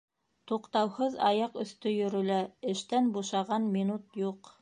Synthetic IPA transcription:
t̪uqt̪ɑwhɤðɑjɑqɵ̆θt̪ɵjɵ̆ɾɵ̆læɘ̆ʃt̪ænbuʃɑʁɑnmʲinut̪juq

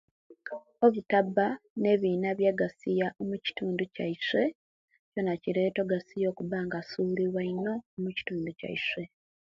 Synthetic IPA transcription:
o̞βutabːane̞ːβiːnaβjaɡasijaʔomuci̥tuːnducaiswe̞ | co̞naciɾe̞ːto̞ɡasijo̞ːkuβaːŋɡasuːliɾwaino̞ːmuci̥tuːnduca̰ḭswe̞

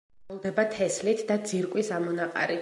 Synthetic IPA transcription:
lˠd̪ɛbat̪ʰɛslit̪ʰd̪ad̪z̥iɾkʼwisamɔnaqʼa̰ɾi

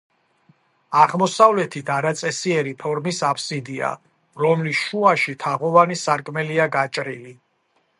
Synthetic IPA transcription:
aʁmɔsavlɛt̪ʰit̪ʰaɾat̪sʼɛsiɛɾipʰɔɾmisapʰsid̪ia̰ | ɾɔmlisʃuaʃit̪ʰaʁɔvanisaɾkʼmɛliaɡat͡ʃʼɾili

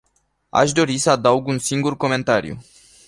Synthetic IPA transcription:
a̰ʃd̪o̞ɾisəad̪auɡunsiŋɡurko̞me̞nt̪aɾijṵ

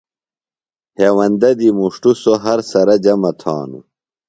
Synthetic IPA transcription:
heːwɐnd̪ɐd̪imuʂʈusoɦɐɾsɐɾɐd͡ʑɐmɐt̪ʰa̰ːnṵ

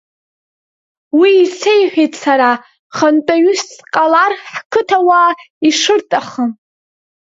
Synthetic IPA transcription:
wiːt͡sʰejħʷᶣejtʰsaɾa | χantʼaɥʊsqʼalarħkʰɨtʰawaː | iʂɨrtʼaχəm

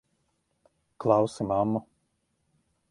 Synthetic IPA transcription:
klˠɑwsimamːu

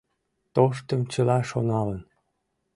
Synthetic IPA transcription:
t̪oʃ̬t̪əmt͡ɕəlɑʃonɑlən

